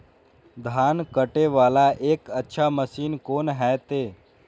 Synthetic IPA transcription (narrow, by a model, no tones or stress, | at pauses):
d̪ʱaːnkəʈeʋaːlaʔeːkətːʃʰaməsiːnkoːnɦɛːt̪eː